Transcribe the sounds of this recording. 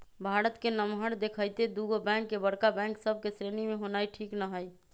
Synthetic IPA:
bʱaɽət̪kenəmɦəɾd̪ekʰəjt̪ed̪uɡobɛ̃ŋkːebəɽkabɛ̃ŋksəb̚ʱkesɾenimeɦonajʈʰiknəɦəj

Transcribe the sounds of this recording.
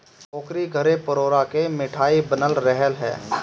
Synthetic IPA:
ɔːkɾiɡʱəɾepəɾoːɾakemɪʈʰaːibənəlɾɛɦəlɦɛ̰ː

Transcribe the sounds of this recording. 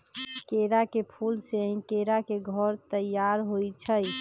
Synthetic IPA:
keɾakepʰulsekeɾakeɡʱɔɾt̪əjaɾɦojt͡ʃʰəj

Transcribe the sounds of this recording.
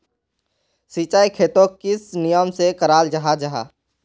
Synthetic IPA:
siːt͡ʃaːikʰeːt̪okɪsnɪjəmsekəɾaːld͡ʒəɦad͡ʒəɦa̰ː

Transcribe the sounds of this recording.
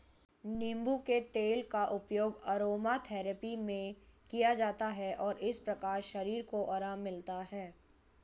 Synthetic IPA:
nĩmbuket̪eːlkaʔʊpjoːɡɐɾoːmat̪ʰɛːɾəpimẽkijad͡ʒaːt̪aɦɛʔɔːɾʔɪspɾɐkaːɾʃɐɾiːɾkoʔaːɾaːmːɪlt̪aɦɛː

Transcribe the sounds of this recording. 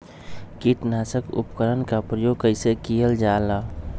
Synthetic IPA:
kiʈnaːsəkṵpkəɾənkapɾəjoːɡ̚kəɪsekijəld͡ʒaːla

